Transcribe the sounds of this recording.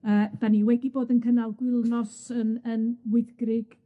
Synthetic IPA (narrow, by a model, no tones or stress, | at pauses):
əːd̥aniwɛɡiboːdənkʰənalˠɡwɪlˠnɔsənənwɪθɡ̥rɪɡ̥